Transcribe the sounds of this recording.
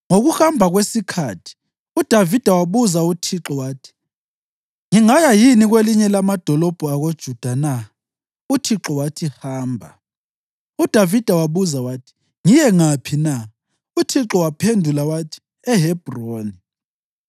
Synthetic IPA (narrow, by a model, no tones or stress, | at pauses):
ŋoɣuhambʱaɣwesikʰatʰi̥ | ud̥ʱavid̥ʱawaβuzautʰiǁɔwaːtʰi̥ | ŋiŋajajiniɣweliɲɛlamad̥ʱɔlɔb̥ʱuaɣod̥ʒ̥ʱud̥ʱana | utʰiǁɔwatʰihaːmbʱa | ud̥ʱavid̥ʱawaβuzawatʰi̥ | ŋijɛŋapʰina | utʰiǁɔwapʰendʱulawatʰi̥ | ɛɦɛb̥ʱroːni